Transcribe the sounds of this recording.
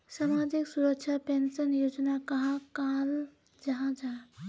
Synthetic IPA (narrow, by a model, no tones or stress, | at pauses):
samad͡ʒiksuɾək̚t͡ʃʰapensənjod͡ʒnakəɦãkal | d͡ʒəɦãd͡ʒa